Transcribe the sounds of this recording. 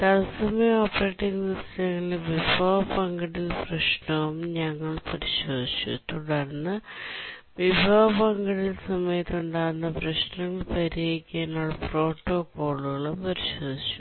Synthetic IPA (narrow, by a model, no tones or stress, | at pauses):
t̪ɐlɐsɐmeoːpːɐreːʈːiŋɡniɾɐsɐŋːɐɭʋibʱɐːɐpɐŋɡɐɽilprɐʂɳɐʋumɲɐŋːɐɭpɐɾiɕo̞ːd̪ʱit͡ɕːṵt̪ːuɽɐɾnːɨ | ʋibʱɐʋɐpɐŋɡɐɽilsɐmɐjɐt̪ːuɳɖaːɾunːɐprɐɕnɐŋːɐɭpɐɾeːikʲːaːnoɭɐpro̞ːʈːo̞ːkːo̞ːɭuɣɐɭumpɐɾiɕoo̞ːd̪ʱit͡ɕːu̥